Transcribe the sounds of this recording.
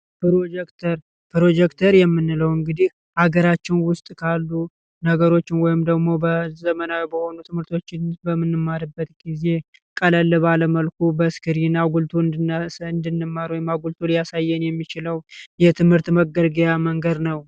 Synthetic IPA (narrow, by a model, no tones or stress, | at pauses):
pɨɾod͡ʒɛkt̪ʰəɾ | pʰɨɾo̞d͡ʒɛkt̪ʰəɾjɛmːɨnːɨləwɨŋɡɨd̪ih | ʔaɡəɾat͡ʃːɪnwʊst̪ʼkʰalːu | nəɡəɾo̞t͡ʃːɪnwɔjɪmd̪əɡmo̞bəzəmənawibəho̞nut̪ʰɨmhɨɾt̪ʰo̞t͡ʃːɪnbəmːɨnːɨmːaɾɨbːət̪ɡize̞ | kʼələlːɨβaləməlkʰubəskʰɨɾinaɡult̪ʰuɨnɨnd̪ɨnːɨmːaɾwɔjɪmːaɡult̪ʰulijasajːɛnjɛmːit͡ʃɪləwjɛt̪ʰɨmhɨɾt̪məɡəɾɡijaməŋɡəd̪nəw